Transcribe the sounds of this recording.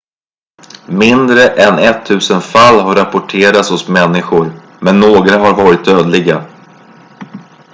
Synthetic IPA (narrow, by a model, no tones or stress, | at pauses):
mɪnd̪ɾəʔɛnɛt̪ʰːʉ̟ːsənfalːɦaɾapʊʈʰeːɾat̪shʊsmɛnːɪɧʊɾ | mɛnːoːɡɾaɦaɾvɑːɾɪt̪̚d̪øːd̪lɪɡa